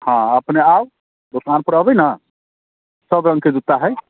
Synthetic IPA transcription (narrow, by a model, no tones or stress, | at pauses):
hãəpneaw | d̪okanpəɾəbəjna | səbɾə̃ŋɡked͡ʒ̪ut̪ːaɦɛ